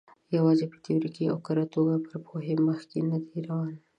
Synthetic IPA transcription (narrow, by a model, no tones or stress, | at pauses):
jawɑzepə̥t̪iɾikia̰wkaɾat̪oɡapəɾpʰoɦeməxkenad̪eɾawɑn